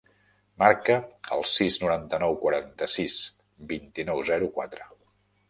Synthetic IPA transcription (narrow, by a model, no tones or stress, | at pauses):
maɾkəə̰lˠsiznuɾant̪ənɔwkwəɾant̪əsis | bint̪inɔwzɛɾukwat̪ɾə